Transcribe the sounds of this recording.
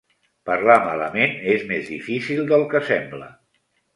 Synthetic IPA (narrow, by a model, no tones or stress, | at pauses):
pəɾlamalə̰menezmezðifisilˠd̪əlˠkəsɛmblə̰